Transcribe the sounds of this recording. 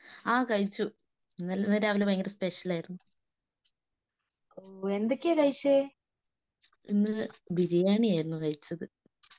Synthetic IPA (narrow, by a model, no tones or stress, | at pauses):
aːkɐɻit͡ɕːu | nːɐlːɐnːɐɾaːʋilɐmɐjŋɡilspeʂɐlaːjiɾunːu | oːe̞nd̪okʲːekɐɻiɕe | inːɨbiɾijaːɳiaːjiɾunːukɐɻit͡ɕːɐðɨ